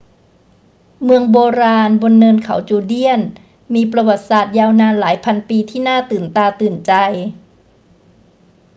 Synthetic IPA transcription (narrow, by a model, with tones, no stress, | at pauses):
mɯ˧əŋboː˧ɾaː˧nbo˧nːɤː˧nkʰa˩˦wt͡ɕuː˧˩di˥˩ən | miː˧pɾa˧wa˨˩t̪̚saː˨˩t̪̚jaː˧wnaː˧nlaː˩˦jpʰa˧npiː˧t̪ʰiː˥˩naː˥˩t̪ɯː˨˩nt̪aː˧t̪ɯː˨˩nt͡ɕa˧j